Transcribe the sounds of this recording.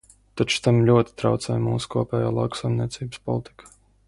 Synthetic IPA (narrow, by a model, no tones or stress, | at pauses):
t̪at͡ʃu̥t̪amlʲuɔt̪i̥t̪ɾawt̪sɛːjmuːsu̥kuɔpʲɛːja̰ːlˠɑ̰wksajmniɛt̪siːbspɔ̰lˠit̪i̥kʰḁ